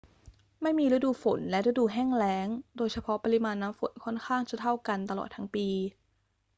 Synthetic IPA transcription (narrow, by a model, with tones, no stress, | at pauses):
ma˥˩jmiː˧ɾɯ˦˥duː˧fo̰˩˦nlɛ˦˥ʔɾɯ˦˥duː˧ɦɛː˥˩ŋlɛː˦˥ŋdoː˧jt͡ɕʰa˧pʰɔ˦˥pa˧ɾi˦˥maː˧nːaː˦˥mfo̰˩˦nkʰɔ˥˩nkʰaː˥˩ŋt͡ɕa˨˩t̪ʰa˥˩wka˧nt̪a˧lɔ̰ː˨˩t̪ʰːa˦˥ŋpiː˧